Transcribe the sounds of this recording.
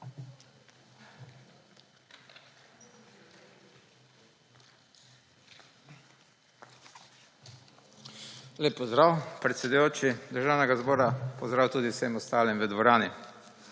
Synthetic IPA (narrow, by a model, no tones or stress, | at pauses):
leːpːɔzd̪ɾawpɾɛt̪sɛd̪ujoːt͡ʃid̪əɾʒaːwnɛɡazbɔːɾapɔzd̪ɾaːwt̪uːd̪iwsemɔst̪aːlimʋəd̪ʋɔɾaːni